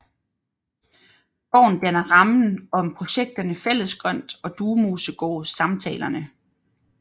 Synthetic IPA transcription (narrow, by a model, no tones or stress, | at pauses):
b̥ɒ̰ʊ̰n̩d̥ænɐʁɑ̈mn̩ɒ̽mpʰʁo̝ɕeɡ̥̚d̥ɐnəfel̰əsɡ̥ʁɶn̰d̥ɒ̽d̥uːmoːsəɡ̥ɔ̰ːsɑ̈mt͡sʰɛːlɐnə